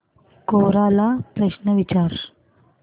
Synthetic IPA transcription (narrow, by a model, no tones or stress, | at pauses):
koːɾaːlapɾəɕnəʋit͡ɕaːɾ